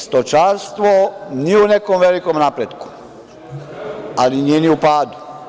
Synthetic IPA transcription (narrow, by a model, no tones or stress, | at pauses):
st̪ot͡ʃaːɾst̪ʋonijeune̞komʋelikomnaːpɾed̪ku̥ | alinijeniupaːd̪u̥